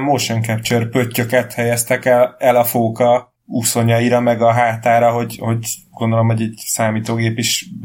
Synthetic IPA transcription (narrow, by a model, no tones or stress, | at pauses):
mːoʃɛŋkɛpt͡ʃørpøcːøkɛt̪hɛjɛst̪ɛkɛlɛlɒfoːkɒ | uso̞ɲɒjiɾɒmɛɡɒɦaːt̪aːɾɒɦo̞ɟho̞ɟɡ̥o̞nd̪o̞lo̞mho̞ɟɛɟsaːmiːt̪oːɡeːpiʃ